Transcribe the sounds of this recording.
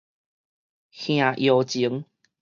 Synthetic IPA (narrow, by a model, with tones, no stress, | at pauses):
xj̃ã˨˩ʔjo˨˩t͡ɕi˨˦əŋ